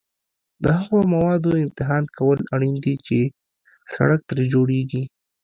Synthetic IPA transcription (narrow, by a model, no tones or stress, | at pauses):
d̪əhaɣomawɑd̪oɪmt̪ɪɦɑnkʰawəlaɽind̪it͡ʃe | sa̰ɽək̚t̪ɾed͡ʒoɽeɡi